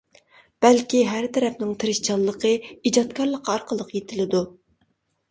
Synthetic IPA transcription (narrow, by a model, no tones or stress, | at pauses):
b̥ælkʲiɦæɾt̪ʰɛɾɛpnɪŋt̪ʰeɾɪʃt͡ʃʰɑlˠːəqʰəid͡ʒɑt̪kʰɑɾlˠəqʰɑɾqʰəlˠəqjet̪ʰɪlɪd̪u